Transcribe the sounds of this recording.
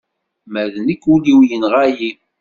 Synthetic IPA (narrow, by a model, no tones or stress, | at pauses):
mæðnəkːuliwjənʁaji